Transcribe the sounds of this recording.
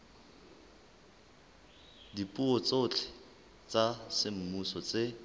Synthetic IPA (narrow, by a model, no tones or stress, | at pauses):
dipʼuɔt͡sot͡ɬʰɛ̥ | t͡sʼasɪm̩musɔt͡sʼe